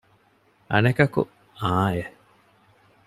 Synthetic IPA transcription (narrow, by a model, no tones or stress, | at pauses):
ʔɐ̰nɐkɐkṵ | aːe